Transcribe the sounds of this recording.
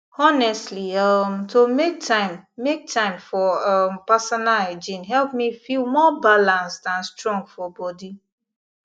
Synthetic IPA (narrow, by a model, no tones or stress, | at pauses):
ɔnɛstliɔmtomek̚tʰãɪ̃mːek̚tʰãɪ̃mfɔɔpasɔnaled͡ʒĩnɦɛlp̚mifilmɔbalãnsdãnstɹɔ̃ŋɡfɔbɔdi